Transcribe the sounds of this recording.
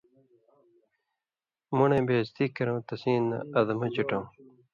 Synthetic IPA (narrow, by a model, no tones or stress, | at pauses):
munẽːbeːst̪ikɐɾõːt̪ɐsĩːnːɐ̰ɐd̪ɐmɐt͡ɕiʈõː